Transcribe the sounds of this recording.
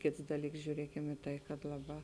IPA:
ˈkʲeːts ˈdɑːˌlʲiːks ʒʲuːˈrʲiɛkʲɛm ɪ ˈtɐɪ kɐt ˈlˠɑːˌbɑː

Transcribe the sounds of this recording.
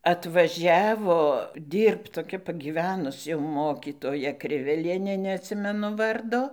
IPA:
ɐtʋɐˈʒʲæːʋoː ˈdʲiːrpt toːˈkʲɛ pɐɡʲiːˈʋʲæːnʊs jɛʊ ˈmoːkʲiːtoːjɛ ˈkrʲɪʋʲɛlʲiɛnʲeː nʲɛɐtʲˈsʲɪmʲɛnʊ ˈʋɐrdoː

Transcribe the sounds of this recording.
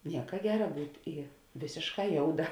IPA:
ˈnʲiɛkɐ ˈɡʲæːrɐ ˈbuːtʲ ɪ ˈʋʲeːsʲeːʃˌkɑː ˈjoːʊˌdɐ

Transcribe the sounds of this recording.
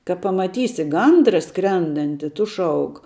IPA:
kɐ pɐmɐˈtʲiːsʲɪ ˈɡɐndrɐ ˈskrʲɛndɐnʲtʲɪ ˈtʊ ˈʃɐʊk

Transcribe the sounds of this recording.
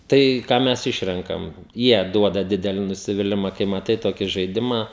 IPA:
ˈtɐɪ ˈkɑː ˈmʲɛs ˈɪʃʲrʲɛŋkɐm ˈjiɛ ˈduɔdɐ ˈdʲɪdʲɛlʲɪ nʊsʲɪʋʲɪˈlʲɪmɐ kɐɪ mɐˈtɐɪ ˈtoːkʲɪ ʒɐɪˈdʲɪmɑː

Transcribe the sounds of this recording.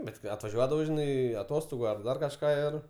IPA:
ˈbʲɛt kɐɪ ɐtʋɐˈʒʲuɔdɐʋɐʊ ʒʲɪˈnɐɪ ɐˈtoːstoːɡʊ ɐr ˈdɐr kɐʃˈkɑː ˈɪr

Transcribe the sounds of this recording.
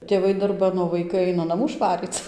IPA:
tʲeːˈʋɐɪ dɐrˈbɐn oː ʋɐɪˈkɐɪ ˈɐɪnɐ nɐˈmuː ˈʃʋɑːrʲiːt͡s

